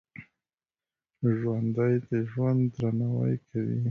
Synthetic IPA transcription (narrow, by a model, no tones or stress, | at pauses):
ʒwand̪ajd̪əʒwand̪ːɾanawa̰jkʰawḭ